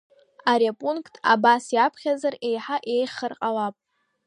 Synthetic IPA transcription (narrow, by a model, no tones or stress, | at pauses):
aɾapʼuŋkʼʰtʰʼa̰basjapʰχʲazare̞jħaʔe̞jχərqʼawapʼ